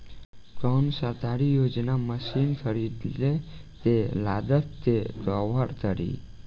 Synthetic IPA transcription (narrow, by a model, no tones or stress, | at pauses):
kɔnsət̪aɾijod͡ʒnaməsinkʰəɾid̪let̪elad̪ət̪t̪eɡəʋəɾt̪əɾḭ